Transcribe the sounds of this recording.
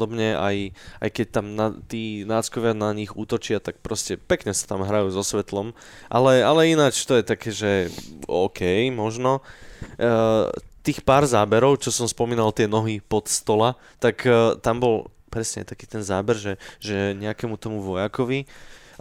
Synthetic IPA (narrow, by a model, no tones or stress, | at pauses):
d̪ɔbɲɛa̰jajkɛc̚t̪amnat̪iːnaːt͡skɔʋɪanaɲiɣṵːt̪ɔt͡ʃɪat̪ak̚pɾɔscɛpɛkɲɛsḁt̪amɦɾajuːzɔsʋɛt̪lɔm | ʔa̰lɛalɛinat͡ʃt̪ɔjɛt̪akɛːʒɛɔ̰ːkʰɛjmɔʒnɔ | t̪iːxpaːɾzaːbɛɾɔʊt͡ʃɔsɔmspɔmiːnalt̪ɪɛnɔɦipɔt̪st̪ɔla | t̪akt̪ambɔl | pɾɛsɲɛa̰jt̪akiːt̪ɛnzaːbɛɾʒɛʒɛɲɛakɛmut̪ɔmuʋɔjakɔʋi